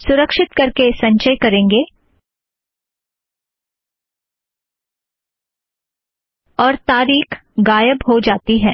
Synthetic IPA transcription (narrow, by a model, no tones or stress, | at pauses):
sʊɾəkʃɪt̪kɐɾkesɐ̃ɲt͡ʃəjkɐɾẽːŋɡeː | ɔːɾt̪aːɾiːkɡaːjəbɦod͡ʒaːt̪iɦɛː